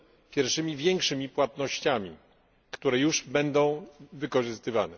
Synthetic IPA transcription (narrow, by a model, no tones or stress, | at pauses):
pʲjɛɾfʂɘmʲivʲjɛŋkʂɘmʲipwat̪nɔɕt͡ɕamʲi | kt̪uɾɛjuʐbɛnd̪ɔ̃w̃vɘkɔʐɘst̪ɘva̰nɛ